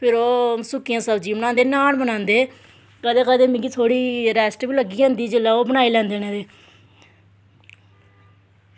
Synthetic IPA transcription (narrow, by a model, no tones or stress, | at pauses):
pʰɪɾoːsʊkːɪjãːsəbd͡ʒiːmənãːnd̪eːnaːɳbənãːnd̪eː | kəd̪eːkəd̪eːmɪ̃ŋɡiːt̪ʰoːɽiːɾɛːsʈbiːləɡːiːɦɛ̃ːnd̪iːd͡ʒɪlːaːoːbənaːiːlɛ̃ːnd̪eːneːd̪eː